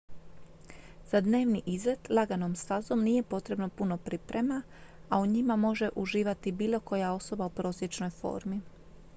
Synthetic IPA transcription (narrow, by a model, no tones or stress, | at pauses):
zad̪ne̞ːʋniʔizlet̪lˠaɡano̞mst̪azo̞mniːje̞po̞t̪ɾe̞bno̞puno̞pɾipɾe̞ma | auɲimamo̞ʒe̞ʔuʒiːʋat̪ibiːlˠo̞ko̞jao̞so̞baupɾo̞ːsje̞t͡ʃno̞jfo̞̰ːɾmi